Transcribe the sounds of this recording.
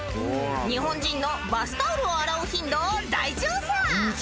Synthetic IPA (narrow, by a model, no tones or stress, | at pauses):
ɲ̟iɦõ̞ɲ̟d͡ʑĩnːo̞basɨ̥t̪aoɾɯoaɾaɯ̟çĩnd̪o̞ːd̪aiʑoːbã